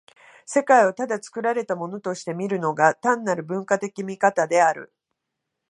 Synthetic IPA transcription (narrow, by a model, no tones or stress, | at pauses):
se̞kaiot̪ad̪at͡sɨ̥kɯ̟ɾaɾe̞t̪amo̞no̞t̪o̞ɕi̥t̪e̞mʲiɾɯ̟no̞ɡat̪ãnːaɾɯ̟bɯ̟̃ŋkat̪e̞kʲimʲikat̪ad̪e̞aɾɯ̰